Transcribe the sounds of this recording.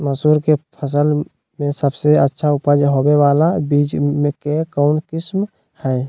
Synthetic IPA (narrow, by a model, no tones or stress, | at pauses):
məsuɾkepʰəsəl | mesəbseətːʃʰaupəd͡ʒɦobebalabid͡ʒmekekəʊnkɪsm | hɛj